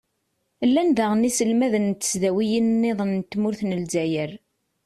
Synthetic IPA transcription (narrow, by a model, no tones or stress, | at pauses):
lːænðæʁnisəlmæðənt̪ːə̥sðæwijinnːeðˤənːt̪ːmʊɾθnəlzæjəɾ